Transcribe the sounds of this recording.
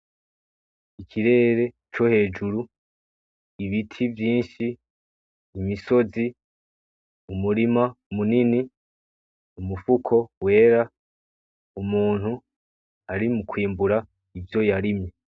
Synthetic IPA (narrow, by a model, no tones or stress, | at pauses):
ikʰiɾe̞ːɾe̞ | t͡ʃo̞he̞ːd͡ʒuɾu | iβitʰivjiːnʃiː | miso̞zi | umuɾimaumunini | umufukʰo̞we̞ːɾa | umuːn̥hu | aɾimukwiːmbuɾa | ivjo̞jaɾimɲe